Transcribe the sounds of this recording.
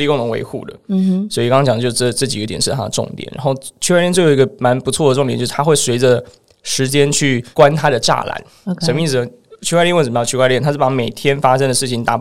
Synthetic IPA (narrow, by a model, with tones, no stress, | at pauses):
li˥˧kʊ˥˧ŋt̪ʰŋwḛ˧˥ɪxṵ˥˩d̪ə̰˩swɔ˥i˨˩kɑ˥ŋɑ˥t͡ɕɑ˨˩d̪ə˧jo˥˧ʊʂʈ͡ʂɤ˥˩t͡ɕi˨˧ɡə˦t̪jɛ̰˨˩nʂɻ̩˥˩t̪ʰa̰˥d̪ə˨ʈ͡ʂʊ̰˥˩ŋt̪jɛ̰˨˩˦nɻa˧˥nxo˥˩ʊt͡ɕʰy˥˧˥jɛ˥˧nt͡ɕo˥˩jo˨˩ʊi˧˥ɡə˧ma˧˥npu˧˥t͡sʰwɔ˥˩də˩ʈ͡ʂʊ˥˩ŋt̪jt͡ɕʂ̩˥˩t̪ʰa˥xwe˥˩ɪswe˧˥ɪʈ͡ʂə˧ | ʂɻ̩˧˥t͡ɕjɛ˥nt͡ɕʰy˥˩kwa˥nt̪ʰa˥dɾə˨ʈ͡ʂa̰˥˩la̰˧˥n | ʂə˨˩mə˦i˥˩ɹ̩˩ə˩ | t͡ɕʰy˥w̪ɑ˥˧t͡ɕʰy˥kwa˥˧ljɛ˥˩nt̪ʰa˥˩pa˧˥me˨˩ɪt̪ʰjɛ˥nfa˥ʂɤ˥ŋd̪ə˨ʂɻ̩˥˩t͡ɕʰi˨˩ŋt̪a̰˥˩